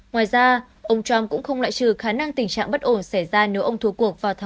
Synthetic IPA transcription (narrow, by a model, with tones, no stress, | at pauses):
ŋwaː˨˩jzaː˧ | ʔə˧wŋ͡mt͡ɕwa˧mkʊ̰˧˥ŋ͡mxə˧wŋ͡mla̰ː˧˨jt͡ɕɨ˨˩xaː˨˦na˧ŋt̪ï˨˩ŋ̟t͡ɕa̰ː˧˨ŋɓə˦˥t̚ʔo˧˩nsa˧˩jzaː˧ne˨˦wʔə˧wŋ͡mt̪ʰu˨˦ku˨˩ək̚vaː˨˩t̪ʰː